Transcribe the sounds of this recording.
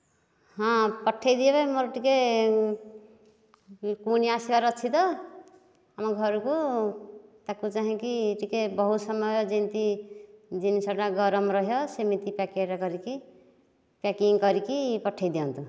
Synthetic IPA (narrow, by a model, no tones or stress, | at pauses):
hʌ̃pʌʈʰːejd̪iebʌjmʌɾʈike | kuniasebaɾʌt͡ʃʰit̪ʌ | amʌɡʱʌɾuku | t̪akut͡saɦĩkiʈikebʌɦut̪sʌmːʌjd͡zint̪i | d͡zinisʌɽaɡʌɾʌmɾʌɦjosemit̪ipakeɾakʌɾiki | pakiŋkʌɾikipʌʈʰːejd̪ijant̪ʰu